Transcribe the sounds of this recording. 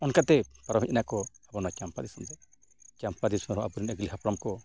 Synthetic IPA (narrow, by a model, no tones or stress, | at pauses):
ɔnkat̪ɛpaɾɔmic̪̚naʔkɔ | abɔnat͡ʃampad̪isɔmd̪ɛ | t͡ʃampad̪ismɛɦɔʔabuɾinɛɡliɦapɾɔmkɔ